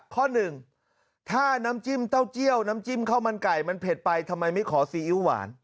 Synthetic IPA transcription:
kʰɔː˥˩nɯ˨˩ŋ | t̪ʰaː˥˩naː˦˥mt͡ɕi˥˩mt̪a˥˩wt͡ɕi˥˩əwnaː˦˥mt͡ɕi˥˩mkʰa˥˩wma˧nka˨˩jma˧npʰe˨˩t̪̚pa˧jt̪ʰa˧mːa˧jma˥˩jkʰɔː˩˦siː˨˦ʔi˦˥wa̰ː˩˦n

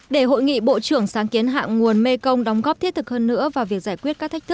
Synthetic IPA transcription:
ɗe˧˩ɦo̰˧˨jŋḭ˧˨ɓo̰˧˨t͡ɕɨ˧˩əŋsaː˨˦ŋki˨˦ənɦa̰ː˧˨ŋŋu˨˩ənme˧kə˧wŋ͡mɗɔ˨˦wŋ͡mɣɔ˦˥p̪̚ʰi˦˥ət̚t̪ʰɨ˨˩k̚həː˧nːɨ̰˧˥əvaː˨˩vi˨˩ək̚zaː˧˩jkwi˦˥ət̚kaː˦˥kt̪ʰːk̚t̪ʰɨ˦˥k

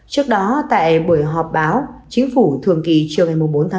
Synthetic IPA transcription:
t͡ɕɨ˦˥ək̚ɗɔ˨˦t̪a̰ː˧˨jɓu˧˩əjɦɔ˨˩p̚ɓaː˨˦wt͡ɕï˨˦ŋ̟fu˧˩t̪ʰɨ˨əŋki˨˩t͡ɕɨ˨˩əŋa˨˩jmʊ˨˩ŋ͡mɓo˨˦nt̪ʰa˨˦

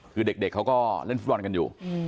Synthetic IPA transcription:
kɨ˨˩ɗe˨˩k̚ɗeː˨˩k̚ha˨˧˦wkɔ˧le˧nfu˧˦˥waː˨˧˩nkə˨˩njṵ˨˩

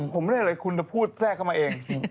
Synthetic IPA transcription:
pʰo˩˦me˥˩˥ɤː˧jkʰu˧nt͡ɕa˧˩pʰuː˥˩t̪̚sɛː˥˩kʰːa˥˩maː˧ʔeː˧ŋ

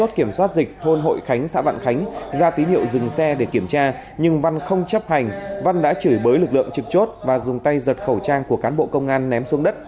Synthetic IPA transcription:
o˦˥t̚ki˧˩əmswaː˦˥t̚zi˨˩k̟̚t̪ʰo˧nɦo̰˧˨jxa˨˦jŋ̟sa̰ː˧˥va̰ː˧˨nxa˨˦jŋ̟zaː˧t̪i˨˦hḭ˧˨əwzɨ˨˩ŋsɛ˧ɗe˧˩ki˧˩əmt͡ɕaː˧ | ɲɨ˧ŋva˧nxə˧wŋ͡mt͡ɕə˦˥p̚ha˨˩jŋ̟va˧nɗa̰ː˧˥t͡ɕɨː˧˩jɓəː˨˦jlɨ˨˩k̚lɨ̰˧˨əŋt͡ɕɨ˨˩k̚t͡ɕo˦˥t̚vaː˨˩zʊ˨˩ŋ͡mt̪a˧jzə˨˩t̚xə˧˩wt͡ɕaː˧ŋku˧˩əkaː˨˦nɓo̰˧˨kə˧wŋ͡mʔaː˧nːɛ˨˦msu˨˦ŋɗə˦˥t̚

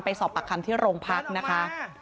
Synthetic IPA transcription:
npa˧jsɔː˨˩pːa˨˩kʰːa˧mt̪ʰiː˥˩ɾoː˧ŋpʰa˦˥k̚na˦˥kʰa˦˥

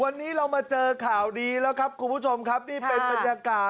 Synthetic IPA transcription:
wa˧nːiː˦˥ɾa˧wmaː˧t͡ɕɤː˧kʰaː˨˩wdiː˧lɛː˦˥wkʰa˦˥p̚kʰu˧npʰu˦˥˩t͡ɕʰo˧mkʰa˦˥p̚niː˥˩pe˧nba˧njaː˧kaː˧

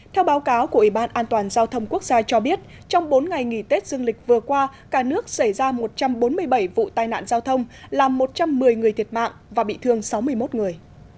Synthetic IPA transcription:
t̪ʰɛ˧wɓaː˨˦wkaː˨˦wku˧˩əʔi˧˩ɓaː˧nʔaː˧nt̪waː˨˩nzaː˧wt̪ʰə˧wŋ͡mku˦˥ək̚z̥aː˧t͡ɕɔ˧ɓi˦˥ət̚ | t͡ɕɔ˧wŋ͡mɓo˨˦nŋa˨˩jŋḭ˧˩t̪e˦˥t̚zɨ˧əŋlï˨˩k̟̚vɨ˨˩əkwaː˧kaː˧˩nɨ˦˥ək̚sa˧˩jzaː˧mo˨˩t̚t͡ɕa˧mɓo˨˦nmɨ˧əjɓə˧˩jvṵ˧˨t̪aː˧jna̰ː˧˨nzaː˧wt̪ʰə˧wŋ͡mlaː˨˩mːo˨˩t̚t͡ɕa˧mːɨ˨˩əjŋɨ˨˩əjt̪ʰi˨˩ət̚ma̰ː˧˨ŋvaː˨˩ɓḭ˧˨t̪ʰɨ˧əŋsa˨˦wmɨ˧əjmo˦˥t̚ŋɨ˨˩əj

